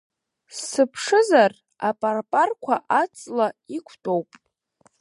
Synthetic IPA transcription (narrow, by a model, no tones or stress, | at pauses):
sɨpʰʂɨzar | apʼarpʼarkʷʰaʔat͡sʼlaikʷʰtʼowpʼ